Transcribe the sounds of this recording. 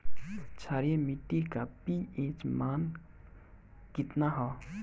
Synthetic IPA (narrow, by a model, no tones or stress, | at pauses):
t͡ʃʰaɾjemiʈːikapiẽt͡ʃman | kit̪naɦɔ